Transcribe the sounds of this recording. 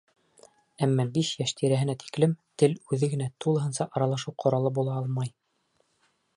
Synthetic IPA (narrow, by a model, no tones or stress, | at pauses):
æmːæbiʃjæʃt̪ʰiɾæɦɘ̆næt̪i̥klɘmt̪ɘlʉðɘɡɘ̆næt̪ulˠɤ̆ɦɤnsɑʔɑɾɑlˠɑʃɤwqʰŏɾɑlˠɤbulˠɑɑlˠmɑj